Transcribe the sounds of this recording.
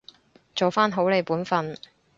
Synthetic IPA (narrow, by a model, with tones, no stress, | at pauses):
t͡so˨wfaː˥nɦo˨˥wle˨˧jpuː˨˥nfɐ˧n